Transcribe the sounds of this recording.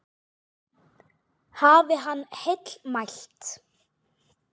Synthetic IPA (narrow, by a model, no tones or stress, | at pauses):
haːvɪɦanːhet̪l̥majl̥t̪